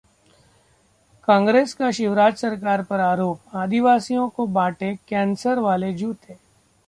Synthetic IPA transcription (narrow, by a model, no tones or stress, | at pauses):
kãːŋɡɾeːskaʃɪʋɾaːd͡ʒsɐɾkaːɾpɐɾaːɾoːp̚aːd̪iʋaːsijõkobaːʈekɛ̃ːnsəɾʋaːled͡ʒuːt̪eː